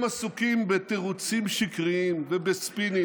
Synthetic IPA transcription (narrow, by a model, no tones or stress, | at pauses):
masukimbet̪eʁut͡simʃikʁiimvebespini